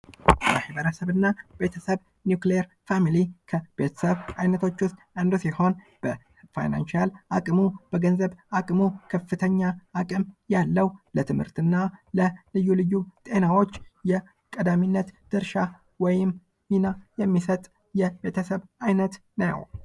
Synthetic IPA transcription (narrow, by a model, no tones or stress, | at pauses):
bəhibəɾəsəβɨnːabe̞t̪ʰəsəβ | njukleɛɾ | familikʰəbe̞t̪ʰə̥səβajnət̪ʰo̞t͡ʃːwʊst̪ʼɨnd̪usiho̞n | b̥ə | fa̰jna̰nʃalakʼmub̥əɡənzəβakʼmukʰəfɨt̪ʰəɲːaːkʼɨmjalːəwlət̪ʰɨmhɨɾt̪ɨnːaləlɨjːulɨjːut̪ʼe̞nawo̞t͡ʃːjɛ | kʼəd̪aminːət̪d̪̥ɨɾʃa | wɔjɪm | minajɛmːisət̪ʼ | jɛbe̞t̪ʰəsəβajnət̪ | nəjə̰w